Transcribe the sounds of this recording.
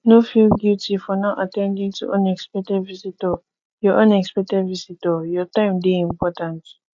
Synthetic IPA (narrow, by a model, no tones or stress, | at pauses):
nofilɡjutʰifɔnaʔatɛ̃ndĩŋtʰṵʔõnɛkspɛk̚tɛdvisitɔ | jɔʔɔ̃nɛkspɛk̚tɛdvisitɔjɔtãɪ̃mdeĩmpɔtãnt